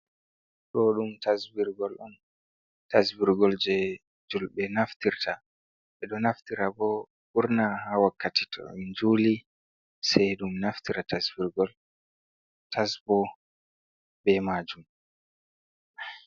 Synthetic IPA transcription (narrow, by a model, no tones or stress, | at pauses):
ɗɔɗumtasbiɾɡɔlɔn | tasbiɾɡɔld͡ʒɛ | d͡ʒulbɛnaftiɾtʰa | ɓɛɗɔnaftiɾabɔ | ɓuɾnahawakːatitʰɔ̰ind͡ʒuːli | sɛjɗumnaftiɾatasbiɾɡɔl | tʰasbɔ | bɛmaːd͡ʒum